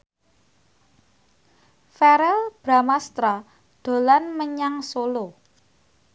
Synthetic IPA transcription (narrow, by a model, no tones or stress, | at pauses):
fɛɾɛlb̥ɾamast̪ɾa | ɖ̪̥o̤lanməɲaŋsolo